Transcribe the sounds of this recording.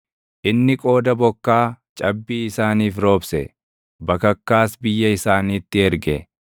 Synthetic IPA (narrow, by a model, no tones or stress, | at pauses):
ʔɪnːɪkʼo̞ːd̪ɐbɔkːaːt͡ʃʼɐbːiːɪsaːniːfɾo̞ːbsɛ̰ | bɐkɐkːaːsbɪjːɐɪsaːniːt̪ːɪɛɾɡɛ